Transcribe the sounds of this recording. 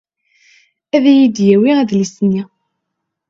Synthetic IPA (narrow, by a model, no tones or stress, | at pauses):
æðæjid̪jæwiæðlisnːi